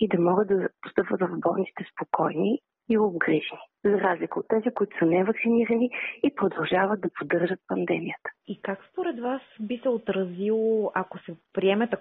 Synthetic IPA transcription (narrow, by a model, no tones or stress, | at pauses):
id̪ɐmɔɡət̪̚d̪ɐpo̥st̪ɤpvət̪vɐvbɔnsi̥t̪ɛspokʰɔjni | iobɡɾiʒni | zɐɾazlʲikəot̪ːɛzikʊit̪ʊ̥sənɛvəksiniɾɐniipɾod̪ɐlˠʒavət̪̚d̪ɐpod̪ɤɾʒət̪̚pɐnd̪ɛmijət̪ə̥ikakspoɾɛd̪vasbisɛot̪ɾɐzilˠoʔɐkosɛpɾiɛmɛt̪ɐ